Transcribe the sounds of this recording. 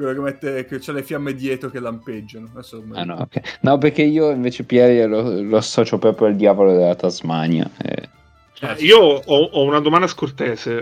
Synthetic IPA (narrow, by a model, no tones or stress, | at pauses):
kɾevikament̪ekːet͡ʃːɛlefjamːed̪jɛːt̪ɾokelamped͡ʒːanoasːolut̪ameanɔo̰kʰːɛnɔperk̟eiːoiɱveːt͡ʃepjaɾialolosːɔːt͡ʃopɾɔpɾjoald̪jaːvolod̪elat̪azmana̰ɛ̰ | ɛiːoɔɔunad̪omand̪askort̪eːze